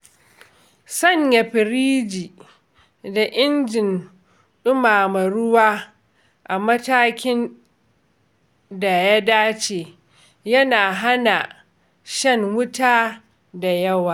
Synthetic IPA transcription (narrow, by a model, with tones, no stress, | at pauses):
sɐ˦˨ɲjɐ˨ɸɪ˨ɾiː˦d͡ʒiː˨ | da˨ʔɪ˦nd͡ʒɪ˨n | ɗʊ˦maː˨mɐ˨ɾʊ˦waː˦ | ʔa˨mɐ˦taː˦kʲɪ˦n | da˨ja˦daː˦t͡ʃeː˨ | jɐ˦naː˨ɦa˦na˨ | ʃɐ˦ŋwʊ˦taː˦ | da˨jɐ˦waː˨